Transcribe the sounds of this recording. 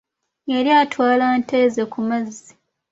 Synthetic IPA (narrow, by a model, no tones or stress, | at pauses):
jeɾjaːtwaːlaːnteːzekumazːi